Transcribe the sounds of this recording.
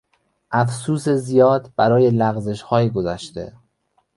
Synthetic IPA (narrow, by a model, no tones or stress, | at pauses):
ʔæfsuːsezijɒːd̪b̥æɾɒːje̞læɣze̞ʃhɒːjiɡozæʃt̪e̞̰